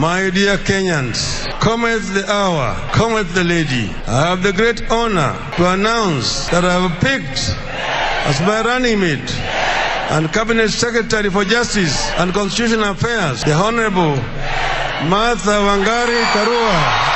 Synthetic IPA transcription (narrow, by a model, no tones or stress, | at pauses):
maɪdiəkɛ̃ɲãnz̥ | kʰɔmɛθðiʔaə̰˞ | kʰɔmɛθðəledḭ | a̰ɪəvðəɡɹetɔnə̰˞ | tuanãʊ̃ns | ðəɾaɪvpik̚t | ə̰zmaɪɹanɪ̃ŋmit | ə̰̃ndkabinɛtsɛkɹətɛɹifɔ˞d͡ʒʌstisə̃ndkɔ̃nstituʃɔ̃nafɛzðəɔnəɹəbəl̩ˠ | maθəvãŋɡaɾikaɾua